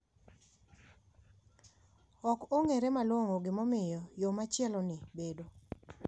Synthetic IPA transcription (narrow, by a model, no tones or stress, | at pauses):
ɔkoŋeɾemalwoŋoɡɪmɔmɪjɔjomat͡ʃɪɛlɔnɪbedo